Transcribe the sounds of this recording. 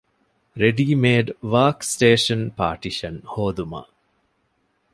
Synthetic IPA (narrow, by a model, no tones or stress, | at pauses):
ɾeɖiːmeːɖʋaːksʈeːʃɐnpa̰ːʈiʃɐnhoːd̪uma̰